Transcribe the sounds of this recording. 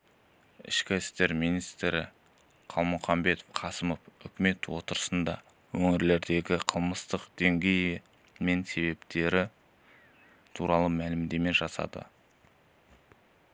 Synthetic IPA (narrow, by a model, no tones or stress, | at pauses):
ɪ̰ʃkʲɪɪst̪e̞ɾmijnijst̪ɾɪ̰ | qʰɑlˠmʊχɑmbe̞t̪ofqʰɑsəmofʏ̰kʲɪme̞t̪wot̪əɾəsənd̪ɑ̰ | wɵŋɪɾle̞ɾd̪e̞ɡʲɪqʰəlˠməst̪əqd̪eŋɡʲe̞j | me̞nse̞be̞pt̪e̞ɾɪ | t̪ʰuɾɑlˠəmælɪmd̪e̞me̞ʒɑsɑ̰d̪ə̰